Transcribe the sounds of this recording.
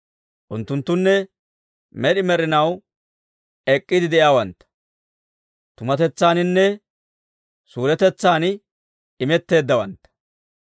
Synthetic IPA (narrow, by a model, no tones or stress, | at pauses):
ʔʊnt̪ːʊnt̪ːʊnːɛ | mɛɗɪmɛɾɪnɐw | ɛkʼːɪd̪ɪd̪ɛʔjaːwɐnt̪ːɐ̥ | t̪ʊmɐt̪ɛt͡sːaːnɪnːɛ | suːɾɛt̪ɛt͡sːaːn | ɪmɛt̪ːe̞ːd̪ːɐwɐnt̪ːɐ̥